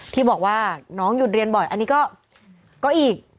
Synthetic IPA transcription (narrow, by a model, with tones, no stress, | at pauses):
t̪ʰiː˥˩bɔː˨˩k̚waː˥˩nɔː˦˥ŋju˨˩t̪̚ɾi˧ənbɔ˨˩jʔa˧nːiː˦˥kɔː˥˩ | kːɔː˥˩ʔiː˨˩k̚